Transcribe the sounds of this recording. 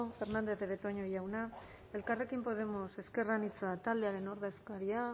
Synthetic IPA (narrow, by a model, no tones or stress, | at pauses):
fe̞ɾnand̪eθeβet̪o̞ɲojawna | e̞lkare̞kimpo̞ð̞e̞mo̞se̞ske̞ranit͡sat̪ald̪eaɾe̞no̞ɾðe̞skaɾia